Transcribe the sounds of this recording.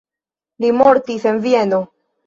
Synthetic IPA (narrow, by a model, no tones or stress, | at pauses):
limo̞ɾtise̞nvie̞no̞